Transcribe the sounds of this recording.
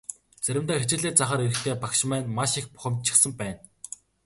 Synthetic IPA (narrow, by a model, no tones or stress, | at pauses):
t͡sæɾʲɪ̆mt̪aːxet͡ɕɪ̆ɮeːt͡saχaːɾeɾɘ̆xt̪ʰeːpakʃ̆mæːnmaʃixpʊ̥χə̆mt̪t͡ɕʰɪ̥̆sə̆mpæːn